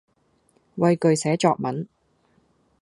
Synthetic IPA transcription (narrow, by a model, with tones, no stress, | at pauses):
wɐ˧jkɵ˨ɥsɛː˨˥t͡ʃɔː˧k̚mɐ˨˥n